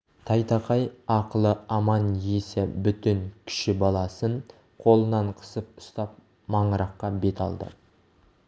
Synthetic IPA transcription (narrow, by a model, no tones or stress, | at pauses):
t̪ʰɑjt̪ɑqʰɑjɑqəlˠəɑmɑnjesebʏt̪ɪŋkʲʰɪ̥ʃɪbɑlˠɑsən | qʰo̞lˠənɑɴqʰə̥səp̚ʊ̥st̪ɑp̚ | mɑɴəɾɑqːɑbe̞t̪ɑ̰lˠd̪ə̰